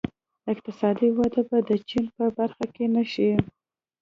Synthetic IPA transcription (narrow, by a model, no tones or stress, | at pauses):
ɪq̚t̪ɪsɑd̪iwad̪abad̪ət͡ʃinpəbaɾxakenaʃi